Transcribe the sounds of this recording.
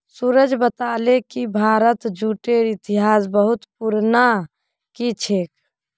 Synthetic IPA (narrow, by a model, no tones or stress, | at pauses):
suɾəd͡ʒbət̪aːlekibʱaːɾət̪d͡ʒuːʈeɾit̪ɪɦaːs̬bəɦʊt̪puɾna | kit͡ʃʰeːk